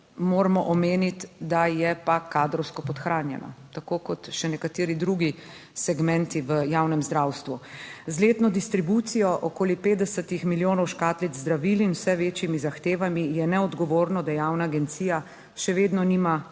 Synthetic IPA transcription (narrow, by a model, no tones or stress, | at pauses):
moːɾamɔʔɔmeːnit̪d̪ajɛpakaːd̪ɾɔwskɔpɔt̪xɾaːnjɛ̰na̰t̪akoːkɔt̪ʃɛnɛkat̪eːɾid̪ɾuɡi | sɛɡmɛ̃nt̪iʋəjaːwnɛmzd̪ɾawst̪ʋuzleːt̪nɔd̪ist̪ɾibut̪sijɔʔɔkoːlipeːt̪d̪ɛsət̪ixmiljoːnɔwʃkaːt̪lizzd̪ɾaʋilinwsɛʋeːt͡ʃjimizaxt̪eːʋamijɛnɛɔd̪ɡɔʋoːɾnɔd̪ajawnaːɡɛnt̪siːja | ʃɛʋeːd̪nɔnima